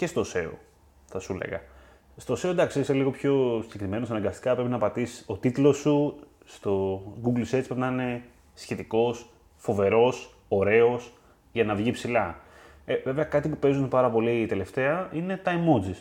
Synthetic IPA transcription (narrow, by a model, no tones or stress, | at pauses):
ce̞st̪o̞se̞o̰ | θɐsulḛɣɐ | st̪ose̞od̪ɐkseseliɣopço̞siɟe̞kɾime̞nosɐnɐŋɡɐst̪i̥kɐpɾe̞pinɐpɐt̪isso̞t̪it̪lo̞su | st̪o̞ɡuɡlset̪spepnɐine̞ | sçe̞t̪iko̞s | fo̞ve̞ɾo̞s | o̞ɾe̞o̞s | ʝɐnɐvʝipsilɐ | eve̞veɐkɐt̪ipupe̞zunpɐɾɐpo̞lit̪e̞le̞ft̪e̞ɐine̞t̪ɐimod͡zis